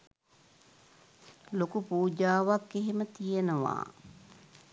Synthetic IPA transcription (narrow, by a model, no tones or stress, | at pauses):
lokupuːd͡ʒaːʋakːeɦemət̪ijenəʋa̰ː